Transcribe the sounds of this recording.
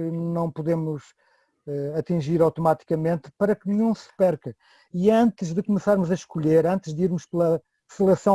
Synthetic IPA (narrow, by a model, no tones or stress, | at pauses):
nɐ̃w̃puðemuʃ | ɛɐt̪ĩʒiɾawt̪umat̪i̥kɐmẽnt̪pɐɾɐkniɲũsɨ̥pɛɾkɨ | iɐ̃nt̪ɨʒðɨkumɨsaɾmuzɐʃkuʎeɾɐ̃nt̪ɨʒðiɾmuʃplˠɐ | sɨlˠɛsɐ̃